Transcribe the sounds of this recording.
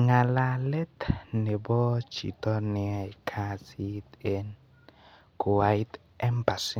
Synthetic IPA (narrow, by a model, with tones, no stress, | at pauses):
ŋa˨lalɛ˦t̪nɛ˨bɔ˦d͡ʒḭ˨t̪ɔ˦niajkʰasi˦t̪en | ku˨wait̪ | ɛ˦mba˨si